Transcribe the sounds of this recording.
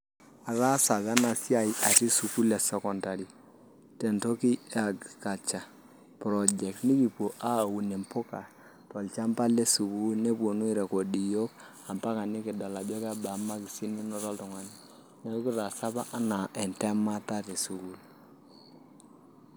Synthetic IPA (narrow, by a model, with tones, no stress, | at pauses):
a˨ɾa˦sa˨βa˦na˨si˦a˨i˨ʔa˨ti˦su˨ku˦le˨sɛ˦kɔ˨nda˨ɾi˨ | tɛ˨nto˦ki˦a˨ɡka˨t͡ʃa˨ | pɾɔ˨d͡ʒɛ˨k̚tni˦ki˨po˨ʔa˦˨u˨ni˨mpʊ˦ka̰˨ | tɔ˨lt͡ʃa˦mpa˦lɛ˦su˨ku˦lne˦po˨nu˦i˦ɾɛ˨ko˨di˨jo˦k | a˨mpa˦ka˨ni˦ki˨da˨la˨bɔ˦ka˦ba˨ma˦ki˨si˦ni˦nɔ˦tɔ˦ltɔ˨ŋa˨˦ni˦ | nɛ˨o˦ki˦ɾa˨sa˦βa˦ʔa˦na˨ʔɛ˨ntɛ˦ma˦ta˦te˨su˨ku˨l